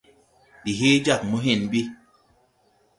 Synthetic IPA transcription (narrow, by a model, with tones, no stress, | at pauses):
ɗi˨ɦe˦d͡ʒa˦˨k̚mu˦ɦe˦˨nbi˦